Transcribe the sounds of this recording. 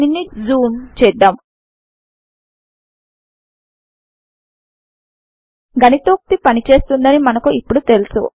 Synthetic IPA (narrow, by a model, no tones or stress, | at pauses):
inːizuːmt͡ʃɛjɖ̪aːm | ɡɐnit̪oːk̚t̪ipɐnit͡ʃe̞ːst̪und̪ɐnimɐnɐkuipːuɽut̪e̞lusṵ